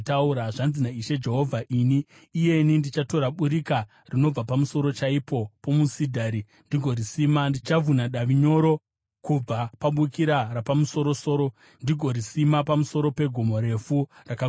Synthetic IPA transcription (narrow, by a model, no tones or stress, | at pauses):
tauɾaʐanzinaiʃe̞d͡ʒe̞ɦo̞vʱaʔiniː | je̞nindit͡ʃato̞ɾaɓuɾika | rino̞b͡vapamuso̞ɾo̞t͡ʃaipo̞po̞musidʱaɾi | ndiɡʱo̞ɾisiːmandit͡ʃavʱunaɗaʋiɲo̞ɾo̞ | kub͡vapaɓukiɾarapamuso̞ɾo̞so̞ːɾo̞ | ndiɡʱo̞ɾisimapamuso̞ɾo̞pe̞ɡʱomo̞ɾe̞furaka